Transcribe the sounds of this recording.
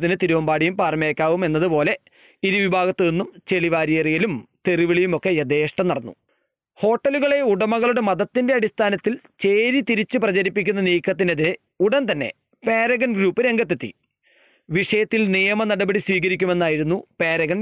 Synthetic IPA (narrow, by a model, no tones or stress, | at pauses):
t̪ːinɨt̪iɾuʋɐmbaːɽijumpaːrmjeːkʲːaːʋume̞nːɐðɨpo̞ːle̞ | iɾuʋibʱaːɣɐt̪ːɨenːumt͡ɕe̞ɭiʋaːɾijɐrijilumt̪eriʋiɭijumo̞kːe̞jɐd̪eːʂʈɐmnɐɽɐnːṵ | ho̞ːʈːɐluɣɐɭe̞uɽɐmɐɣɐɭuɽemɐðɐt̪ːindeɐɽist̪ʰaːnɐt̪ːilt͡ɕe̞ːɾit̪iɾit͡ɕːɨprɐt͡ɕɐɾipːik̬ʲːunːɐniːkʰːɐt̪̬ːinɐðiɾɨ | uɽɐnt̪ɐnːe̞̰ | pe̞ːɾɐɣɐnɡɾuːpːɨɾe̞ŋɡɐt̪ːet̪ːḭ | ʋiʂɐjɐt̪ːilnijɐmɐnɐɽɐbɐɽiswiːkɐɾikʲːume̞nːaːjiɾunːupe̞ːɾɐɣɐn